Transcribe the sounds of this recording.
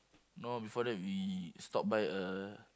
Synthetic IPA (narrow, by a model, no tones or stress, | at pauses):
nobifɔdɛt̚wistɔp̚bajə